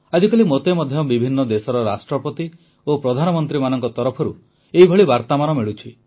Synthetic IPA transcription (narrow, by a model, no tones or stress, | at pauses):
ad͡ʒikalimot̪emɔd̪ʱjɔbibʱinːɔd̪esɔɾɔɾasʈɾɔpɔt̪i | opɾɔd̪ʱanɔmɔnt̪ɾimanɔŋkɔt̪ɔɾɔpʰɔɾu | eɦibʱɔɭibaɾt̪amanɔmiɭut͡ʃʰi